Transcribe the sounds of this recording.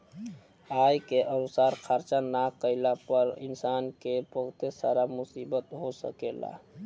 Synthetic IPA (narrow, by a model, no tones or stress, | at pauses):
ajkeʔənusaɾkʰaɾt͡ʃanakəɪlapəɾḭnsaːnkepəɦt̪esa̰ɾamʊsibət̪ɦosə̰kela̰